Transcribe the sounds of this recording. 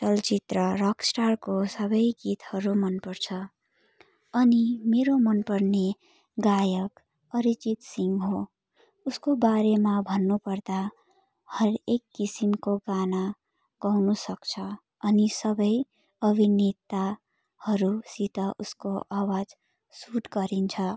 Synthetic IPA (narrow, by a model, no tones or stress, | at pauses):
ʈʌlt͡ʃit̪rʌɾʌksʈarkosʌbʌjɡit̪hʌɾumʌnpʌɾt͡sʰʌ | ʌnimeɾomʌnpʌrne | ɡajʌk | ʌɾit͡ʃit̪siŋɡɦo | uskobaɾemabʱʌnːupʌrd̪a | hʌɾekːisimkoɡana | ɡ̥ʌwnusʌkt͡sʰʌ | ʌnisʌbʌj | ʌbʱinit̪ːa | hʌɾusit̪ʌʔuskoʔawad͡z | suʈɡʌɾint͡sʰʌ